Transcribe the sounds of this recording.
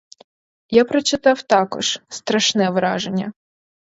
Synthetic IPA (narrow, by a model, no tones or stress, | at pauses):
japɾɐt͡ʃɪt̪ɑwt̪ɑkɔ̰ʒ̥st̪ɾɐʃnɛʋɾɑʒenʲːɐ̰